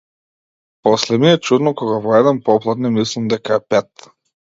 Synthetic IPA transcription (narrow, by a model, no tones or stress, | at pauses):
pɔslɛmiɛt͡ʃud̪nɔkɔɡavɔɛd̪ɛnpɔplˠad̪nɛmislimd̪ɛkaɛpɛt̪